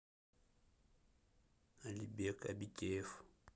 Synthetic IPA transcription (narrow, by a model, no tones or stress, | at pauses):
alibɛkʼabicʼɛːfu̥